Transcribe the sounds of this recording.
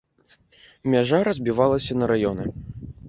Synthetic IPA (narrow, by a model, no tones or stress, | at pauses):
mʲaʐaɾɐzʲbʲivalˠɐsʲɐnɐɾajɔnɛ